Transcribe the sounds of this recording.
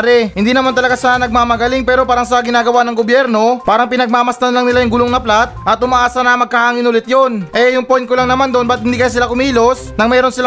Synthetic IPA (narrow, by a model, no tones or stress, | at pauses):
ɾɛhɪnd̪iːnɐmant̪ɐlɐɡasaanɐɡ̚maːmɐɡɐlɪŋpɛːɾo̞paːɾɐŋsɐɡɪnaːɡɐwanɐŋɡobjɛɾno̞paːɾɐŋpɪnɐɡ̚maːmɐst̪ɐnlaŋnɪlajʊŋɡʊloŋnɐplat̪̚ʔɐt̪̚ʔʊmɐʔaːsɐnɐmɐɡ̚kɐhaːŋɪnʊlɪt̪jonʔɛjʊŋpojn̚kolaŋnɐmand̪onbɐt̪̚hɪnd̪iːkɐjas̬ɪlakʊmiːlo̞snɐŋmɛːɾo̞nsɪla